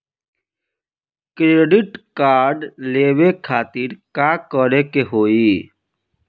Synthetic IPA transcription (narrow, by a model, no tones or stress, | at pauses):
kɾeːɖɪʈkaːɾɖleːʋekʰaːt̪iɾkakəɾekeɦoːi